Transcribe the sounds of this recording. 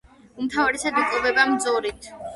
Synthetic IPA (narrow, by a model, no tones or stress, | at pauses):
umt̪ʰavaɾɛsad̪ikʼlˠɔbɛbamd̪zɔɾit̪ʰ